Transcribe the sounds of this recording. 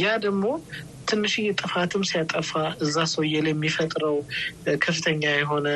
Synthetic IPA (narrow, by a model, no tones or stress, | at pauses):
jad̪əɡmo̞ | t̪ʰɨnːɨʃijɛt̪ʼɨfat̪ʰɨmsijat̪ʼəfaʔɨzːasəwjɛljɛmːifət̪ʼɾəwkʰəfːɨt̪ʰəɲːajɛɦo̞nə